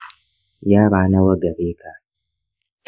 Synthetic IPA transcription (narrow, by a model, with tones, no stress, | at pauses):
jaː˦ɾaː˨˦na˦wɐ˦ɡɐ˨ɾeː˦kʰa˨